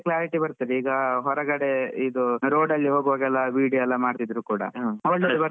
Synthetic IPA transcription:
klaːɾiʈibɐɾt̪iɾeiːɡɐɦɔɾɐɡɐɽeid̪uɾoːɖɐlːiɦoːɡʋaːɡɛlːɐʋiːɖiɛlːɐmaːɖt̪id̪ɾuːkuːɽɐ̰ɔɭːebɐɾ

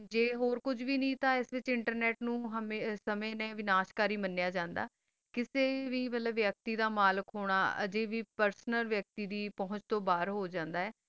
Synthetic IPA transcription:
d͡ʒeːɦoːɾkʊd͡ʒʋiːnĩːt̪ãːɪsʋɪt͡ʃɪɳʈəɾnɛːʈnũːɦəmesəmẽːnẽːʋɪnaːʃkaːɾiːmənːejaːd͡ʒãːnd̪a̰ː | kɪseːʋiːmət̪ləʋjək̚t̪iːd̪aːmaːləkɦoːɽ̃aːə̰d͡ʒeːʋiːpəɾsnəlʋjək̚t̪iːd̪iːpɔɦʊ̃ɲt͡ʃt̪õːbaːɾɦoːd͡ʒãːnd̪aːɛː

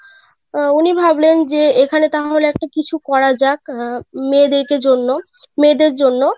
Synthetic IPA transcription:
unibʱablend͡ʑeekʰanet̪aɦoleɛk̚ʈakit͡ɕʰukɔɾad͡ʑakmed̪eɾked͡ʑonːo | med̪eɾd͡ʑonːo

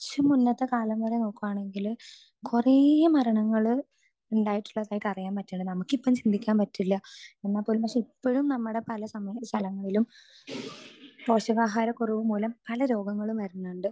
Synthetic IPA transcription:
t͡ɕːɐmːunːɐt̪ːekaːlɐmːoːɾeno̞ːkːuʋaːɳe̞ŋɡil | kuremɐɾɐɳɐŋːɐɭɨ | uɳɖaːjiʈːu̥ɭːɐðaːjiʈːɐrijaːnpɐtːuɳɖɨnɐmukːipːɐmt͡ɕind̪ʱikʲːaːnpɐtːilːɐenːaːpːoːlumpɐkʂeipːoɻumnɐmːuɽe̞pɐlɐsɐmɐsʰɐlɐŋːɐɭilum | po̞ːɕɐʋaːɦaːɾɐkːurɐʋumːoːlɐmpɐlɐɾo̞ːɡɐŋːɐɭumʋɐɾunːuɳɖɨ

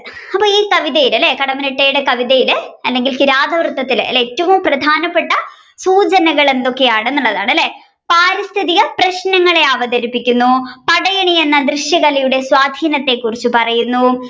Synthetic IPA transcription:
ɐpːoːiːkɐʋiðɐjilɐlːe̞ːkɐɽɐmɐniʈːɐjuɽe̞kɐʋiðɐjilɐlːe̞ŋɡilkiɾaːd̪ʱɐʋrɨt̪ːɐt̪ːilɐ̰lːeetːɐʋumprɐd̪ʱaːnɐpːe̞ʈːɐ | suːd͡ʑɐnɐɣɐɭe̞nd̪o̞kːe̞jaːɳɨe̞nːuɭːɐðaːɳɨɐlːe̞ː | paːɾist̪ʰiðijɐprɐɕnɐŋːɐɭe̞ɐʋɐɡɐɾipːikʲːunːupɐɽɐjɐɳie̞nːɐd̪rɨɕjɐɣɐlijuɽe̞swaːd̪ʱiːnɐt̪ːe̞kːurit͡ɕːupɐrɐjunːu

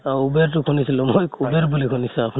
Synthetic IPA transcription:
aubeɹtʊkʰunisilũmojubeɹbulikʰunisũapʰu

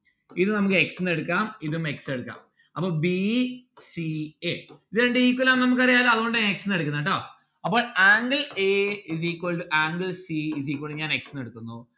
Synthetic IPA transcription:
iðumnɐmukːɨe̞ksɨneɽukːaːmiðume̞kseɽukːa̰ːm | ɐpːoːɭbisieiðɨeːɳɖɨiːkːulaːmnɐmuk̬ːɐrijaːloːɐðuɣo̞ɳɖɨaneksɨneɽuk̬ːunːɐʈːoː | ɐpːo̞ːɭaːŋɡɐleizikːoɭʔaːŋɡɐlsiiziːkːoɭɨɲaːne̞ksɨneɽukːunːu

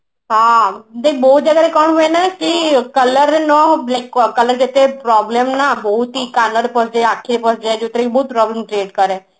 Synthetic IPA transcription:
ɦãːd̪ebɔːt̪̚d͡ʒəɡaːɾekɔːɳɦoenaːkɪkələɾenɔːlɛkkələɾkɪt̪epɾɔːblɛːmnaːbɔːt̪iːkaːnəɾepəsd͡ʒeːaːkʰːeːɾepəsd͡ʒeɛːd͡ʒeːt̪ɾeːkbɔːt̪̚pɾɔːbləmʈɾeːʈkəɾɛː

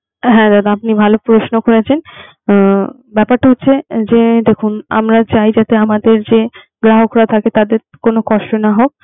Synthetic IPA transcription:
ɦɛ̃d̪ad̪apnibʱalopɾoʃnokoɾet͡ɕʰen | bɛpaɾʈaɦotːɕʰed͡ʑed̪ekʰuna̰mɾat͡ɕajd͡ʑat̪eamad̪eɾd͡ʑe | ɡɾaɦokʰɾat̪ʰaket̪ad̪eɾ | konokɔʃʈonaɦok̚

